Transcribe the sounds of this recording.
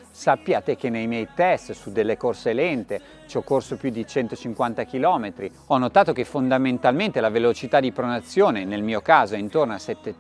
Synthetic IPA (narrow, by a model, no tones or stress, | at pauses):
sapːjaːt̪ek̟enːejmjɛjt̪ɛst̪sud̪elːekorselɛnt̪e | t͡ʃɔkːorsopjud̪it͡ʃɛnt̪ot͡ʃiŋkwant̪akilɔːmet̪ɾi | ɔnːot̪aːt̪ok̟efond̪ament̪alment̪elavelot͡ʃit̪ad̪ipɾonat̪sːjoːnenelmiːokaːzoɛint̪ornoasɛt̪ːe